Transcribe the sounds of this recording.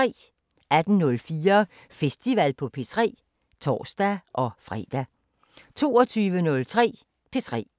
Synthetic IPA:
ɛ̰ː | æd̥n̩nɔ̽lfiːɐ | fesd̥iʋæl̰pʰɒ̽pʰe̝t͡sʰʁɛ̰ː | t͡sʰɒ̰ːsd̥æʔɒ̽fʁɛ̰d̥æ | t͡sʰo̝̰ːɒt͡sʰyːʋənɔ̽lt͡sʰʁɛ̰ː | pʰe̝t͡sʰʁɛ̰ː

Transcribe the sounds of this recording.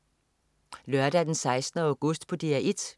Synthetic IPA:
lœɐɾ̥æd̥ensɑ̈ɪsd̥nəɑʊɡ̥ɔsd̥pʰɒ̽d̥eæʔed̥

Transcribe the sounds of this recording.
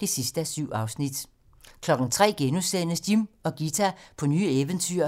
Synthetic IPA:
d̥e̝sisd̥əæsyʊ̰ɑ̈ʊsnid̥ | kʰlɒ̽ɡ̥n̩t͡sʰʁɛ̰ːɡ̥enusenəsd̥imɒ̽ɡ̥it͡sʰæpʰɒ̽nyːeʋənt͡sʰyɐ

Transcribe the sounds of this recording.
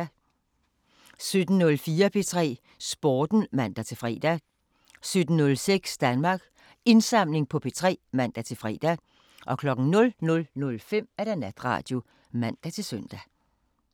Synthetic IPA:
sød̥n̩nɔ̽lfiːɐpʰe̝t͡sʰʁɛ̰ː | sb̥oːd̥n̩mæn̰d̥æt͡sʰe̝lfʁɛ̰ːd̥æ | sød̥n̩nɔ̽lseɡ̥sd̥ænmɑ̈ːɡ̥ | e̝nsɑ̈m̰le̝ŋpʰɒ̽pʰe̝t͡sʰʁɛ̰ːmæn̰d̥æt͡sʰe̝lfʁɛ̰ːd̥æ | ʔɒ̽kʰlɒ̽ɡ̥ŋ̩nɔ̽lnɔ̽lnɔ̽lfem̰æɾ̥ænæd̥ʁɑ̰̈ːd̥jo̝ | mæn̰d̥æt͡sʰe̝lsœn̰d̥æ

